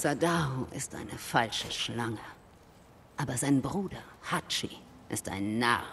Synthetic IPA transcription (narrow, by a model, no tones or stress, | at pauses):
sadaːhoʔɪ̰stʔa̰ɪnəfalʃəʃlaŋə | ʔaːbɐzaɪnbʁuːdɐhat͡ʃi | ʔɪsta̰ɪnːa̰ː